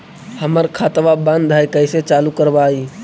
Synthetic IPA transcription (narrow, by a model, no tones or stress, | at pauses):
həməɾkʰaːt̪ʋabə̃nd̪ʱaikəɪset͡ʃaːlukəɾbaːiː